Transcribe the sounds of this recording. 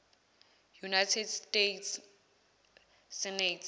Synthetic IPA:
junajtʰɛdstetʰs | sɛnetʰ

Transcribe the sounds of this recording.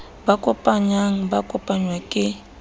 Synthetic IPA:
bakʼɔpʼaɲaŋ̩bakʼɔpʼaɲwakʼɪ

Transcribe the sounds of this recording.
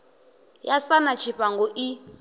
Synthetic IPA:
jasanat͡ʃʰiɸaŋɡɔʔi

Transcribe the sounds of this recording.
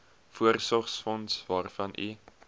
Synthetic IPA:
fuərsɔχsfɔnsvɑːrfɐnʔi

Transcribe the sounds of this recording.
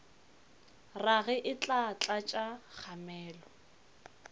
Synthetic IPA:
raɣɛʔɪt͡ɬʼat͡ɬʼat͡ʃʼak͡xʰamɛːlɔ

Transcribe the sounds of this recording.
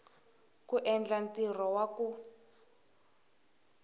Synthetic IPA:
kuʔɛnd͡ɮantirɔwaku

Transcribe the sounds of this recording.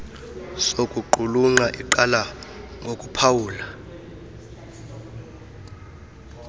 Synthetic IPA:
sokʼuǃuluŋ͡ǃaʔiǃalaŋɡʱokʼupʰawuːla

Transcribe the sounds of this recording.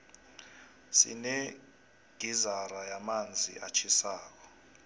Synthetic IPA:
sḭnɛ | ɡ̥ʱizarajamand͡zʱiʔat͡ʃʰisaːk̬ɔ̥

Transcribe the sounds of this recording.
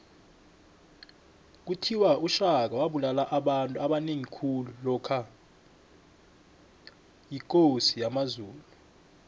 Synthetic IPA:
k̬utʰiwaʔuʃak̬awaɓulalaʔaɓantʼuaɓaneŋikʰululɔkʰa | jik̬ʼosijamazuːlu

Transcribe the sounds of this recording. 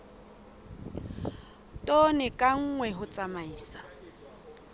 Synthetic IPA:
tʼɔnɛkʼaŋ̩ːŋwɛɦʊt͡sʼamaiːsa

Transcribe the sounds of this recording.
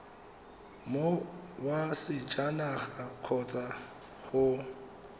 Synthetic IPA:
mowasɪd͡ʒanaχaq͡χʰɔt͡sʼa | χʊ

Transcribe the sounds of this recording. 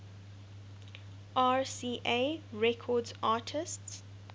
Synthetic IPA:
ʔaːɹsiːʔeɹɛkʰɔdzaːtʰɪsts

